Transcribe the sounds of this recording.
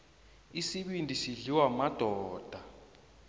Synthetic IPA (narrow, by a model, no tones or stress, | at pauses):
isiɓindʼʱisiɮiwamad̥ʱɔːd̥ʱa